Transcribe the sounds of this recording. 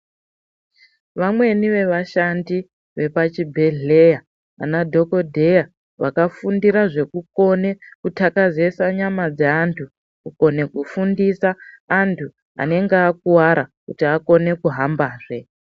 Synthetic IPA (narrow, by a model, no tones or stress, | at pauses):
ʋamwe̞niʋe̞ʋaʃandi | ʋe̞pat͡ʃibʱeɮeja | a̰nadʱo̞ko̞dʱe̞ja | ʋa̰kafundiɾaʐe̞kuko̞ne̞kutʰakaze̞saɲamad͡zeantʰu | kuko̞ne̞kufundisaːntʰu | a̰ne̞ŋɡeak̚uwaɾakutiako̞ne̞kuɦambaːʐe̞